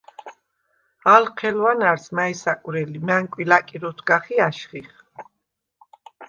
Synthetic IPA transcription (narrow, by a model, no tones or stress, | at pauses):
alqʰɛlwanaɾsmaisakʼuɾɛlimaŋkʼwilakʼiɾɔt̪ʰɡaχiaʃχiχ